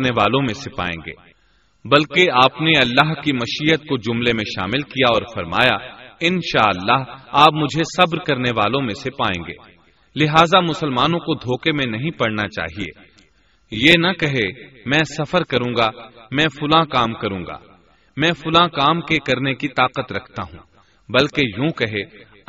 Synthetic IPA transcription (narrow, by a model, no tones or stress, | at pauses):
neʋaːlõmẽsɪpa̰ːḛ̃ːŋɡḛː | bɐlkeaːpneɐlːaːɦkimɐʃiːət̪̚kod͡ʒʊmlemẽʃa̰ːmɪlkijaɔːɾfɐɾma̰ːjaɪnʃaːɐlːaːɦaːp̚mʊd͡ʒʱesɐbɾkɐɾneʋaːlõmẽsepaːḛ̃ːɡḛː | lɪɦaːzamʊsəlmaːnõkod̪ʱoːkemẽnɐɦĩpɐɽnat͡ʃa̰ːɦiḛː | jenɐkɐɦemɛ̃ːsɐfəɾkɐɾũːɡamɛ̃ːfʊlãːkaːmkɐɾũːŋɡa̰ː | mɛ̃ːfʊlãːkaːmkekɐɾnekit̪aːqət̪ɾɐkʰt̪a̰ɦṵ̃ː | bɐlkejũːkɐɦeː